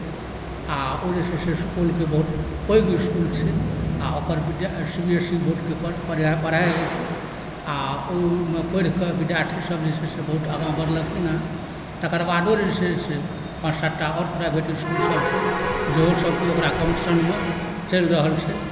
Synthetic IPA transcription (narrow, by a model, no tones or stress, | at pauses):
aod͡ʒeseseskulkebəɦut̪ | pəjɡiskult͡ʃʰɛa̰okəɾbiɖsibiesibʱoʈkeppəɾiapəɽaeɡɛt͡ʃʰɛ | aomepəjɾkebiɖjaʈʰisəbʱd͡ʒesʰesebəɦut̪əɡãmbəɾləkʰina | t̪əkəɾbaɖoɾeesʰese | pãt͡ʃsəʈːaɔɾpɾajbʱeʈiskulsəbt͡ʃʰɛd͡ʒeɦosəbkeokɾakəmsənme | t͡ʃəlɾəɦəlt͡ʃʰɛ